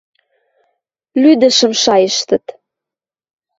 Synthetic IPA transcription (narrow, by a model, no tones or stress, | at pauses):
lyd̪ə̆ʃə̆mʃɑjəʃt̪ə̆t̪